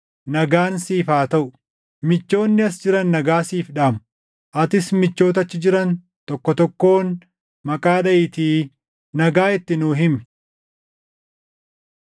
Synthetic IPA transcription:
nɐɡaːnsiːfaːt̪ɐʔʊ | mɪt͡ʃːo̞ːnːɪɐsd͡ʒɪɾɐnːɐɡaːsiːfᶑaːmʊ | ʔɐt̪ɪsmɪt͡ʃːo̞ːt̪̬ɐt͡ʃːɪd͡ʒɪɾɐn | t̪ɔkːɔt̪ɔkːo̞ːn | mɐkʼaːᶑɐɪt̪iː | nɐɡaːɪt̪ːɪnuːɦɪmɪ

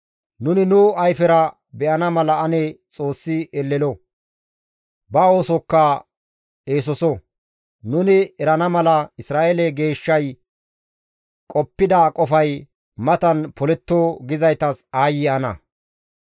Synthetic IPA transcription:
nʊnɪnʊɐjfɛɾɐ | bɛʔɐnɐmɐlɐɐnɛt͡sʼo̞ːsːɪɛlːɛlɔ | bɐoːsɔkːɐ | eːsɔsɔ | nʊnɪɛɾɐnɐmɐlɐɪsɾaːʔelɛɡe̞ːʃːɐj | kʼɔpːɪd̪ɐkʼɔfɐj | mɐt̪ɐnpɔlɛt̪ːoːɡɪzɐjt̪ɐsaːjɪɐnɐ̰

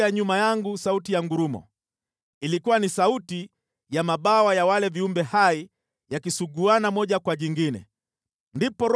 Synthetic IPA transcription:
aɲumajaŋɡusautijaŋɡuɾumɔ̰ | ilikuwanisauti | jamaɓawajawalɛviumbɛhai | jakisuɡuanamɔʄakwaʄiŋɡinɛ̰ | ndipɔɾ

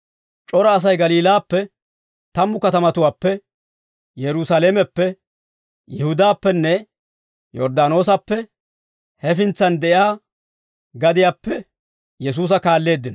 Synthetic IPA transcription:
t͡ʃʼɔɾɐːs̬ɐjɡɐliːlaːpːɛ | t̪ɐmːʊkɐt̪ɐmɐt̪ʊwaːpːɛ | jɛɾʊsaːleːmɛpːɛ | jɛhʊd̪aːpːɛnːɛ | jɔɾd̪aːno̞ːs̬ɐpːɛ | hɛfɪnt͡sːɐnd̪ɛʔɪaː | ɡɐd̪ɪjaːpːɛ | jɛs̬uːs̬ɐkaːlːe̞ːd̪ːɪnɐ

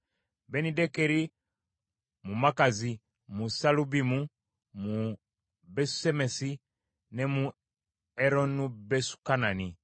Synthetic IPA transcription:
bɛnidɛkɛɾi | mumakazi | musalubimu | mu | bɛsu̥sɛmɛsi | nɛmu | ɛɾɔnubɛsu̥kanani

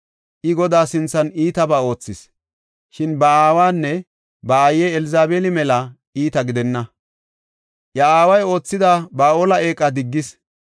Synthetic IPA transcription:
ʔɪɡɔd̪aːsɪnt͡sːɐniːt̪ɐbaːo̞ːt͡sːɪs | ʃɪnbɐaːwaːnːɛ | bɐajeːɛlɪzaːbeːlɪmɛlɐ | iːt̪ɐɡɪd̪ɛnːɐ | ʔjɐaːwɐjo̞ːt͡sːɪd̪abaːo̞ːlɐe̞ːkʼːɐd̪ɪɡːɪs

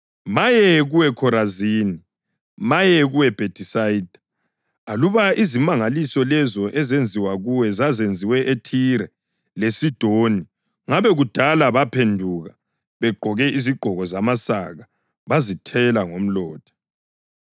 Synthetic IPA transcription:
majɛɣuwɛkʰɔɾaziːni | majɛɣuwɛb̥ʱed̥ʰʱisaid̥ʱḁ | aluβaʔizimaŋalisɔlɛzɔʔɛzend͡zʱiwaɣuwɛzazend͡zʱiwɛʔetʰiɾɛ | lesid̥ʱoni | ŋaβɛɣud̥ʱalaβapʰendʱuɣa | βɛɡ͡ǃʱɔɣɛiziɡ͡ǃʱɔɣɔzamasa̰ɣa | βazitʰɛlaŋom̩lɔːd̥ʰʱḁ

